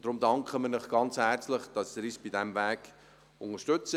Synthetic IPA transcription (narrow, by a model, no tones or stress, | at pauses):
d̥ɾʊmdɑŋkχəmɪnɪχɡ̥ɑnt͡shæɾt͡sləχd̥ɑsiɾisb̥idɛmvæːk | ʊŋəʃtʏt͡sə